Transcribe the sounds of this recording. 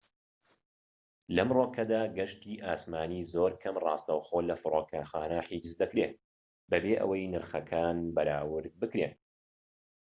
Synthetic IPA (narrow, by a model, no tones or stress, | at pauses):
lɐmroːkʰɐd̪aːɡɐʃt̪iːʔaːsmaːniːzoːɾkʰɐmrɑːst̪ɐwxoːlɐfɨɾoːkʰaːxaːnɐħiːd͡ʒɨzd̪ɐkɾe | bɐbeːʔɐ̰wɐjnɨɾxɐkʰaːnbɐɾaːwɨɾd̪̚bɨkɾen